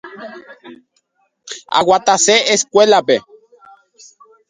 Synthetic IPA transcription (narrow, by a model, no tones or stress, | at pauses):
a̰ɣwat̪aseeskʷelape